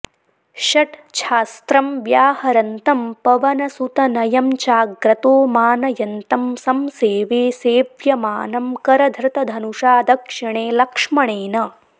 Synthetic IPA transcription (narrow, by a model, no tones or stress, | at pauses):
ʃɐʈʃʰaːst̪ɾɐmʋjaːhɐɾɐnt̪ɐmpɐʋɐnɐsut̪ɐnɐjɐmt͡ʃaːɡɾɐt̪oːmaːnɐjɐnt̪ɐmsɐmseːʋeːseːʋjɐmaːnɐmkɐɾɐd̪ʱɾɪt̪ɐd̪ʱɐnuʂaːd̪ʱɐkʂɐɳ̃eːlɐkʂmɐɳeːnɐ